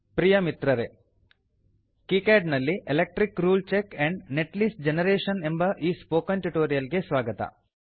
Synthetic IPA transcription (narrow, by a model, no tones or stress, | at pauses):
pɾijɐmit̪ɾɐɾe | kikeːɖnɐlːiʔelek̚ʈɾikɾuːlt͡ʃekːɛ̃ɳɖneʈliːsʈd͡ʒenɐɾeːʃɐnembɐʔiːspoːkɐnʈuʈoːɾijɐlɡesʋaːɡɐt̪ɐ̰